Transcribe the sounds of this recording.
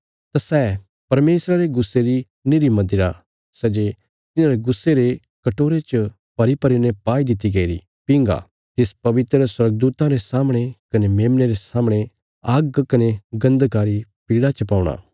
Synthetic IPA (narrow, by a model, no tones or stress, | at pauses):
t̪asɛː | pɐɾmeːsɾaɾeɡʊsːeɾi | nɪɾimɐ̃nd̪ɪɾa | sɛd͡ʒe | t̪ɪnãɾeɡʊsːeɾe | kɐʈoːɾet͡ʃ | pɐɾipɐɾinɛpaːid̪ɪt̪̬ːiɡɐiɾi | pɪ̃ŋɡa̰ | t̪ɪspɐʋɪt̪ɾəswɐɾɡ̚d̪uːt̪ãɾesaːmɽ̃ekɐnemeːmneɾesaːməɽ̃e | aːɡkɐneɡɐ̃nd̪kaːɾipiːɽat͡ʃɐpaːʊɽ̃a̰ː